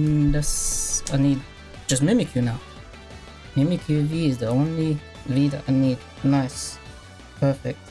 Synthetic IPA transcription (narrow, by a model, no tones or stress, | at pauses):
nlɪsaɪniːd̥̚ | ʒ̥ʌs̬tmɪmɨkʰjʉnaʊ | mɪmɨkʰjʉviɪzðiõʊ̃nli | viːðəta̰ɪnid̚ | naɪs | pʰɜ˞fɪ̰k̚t̚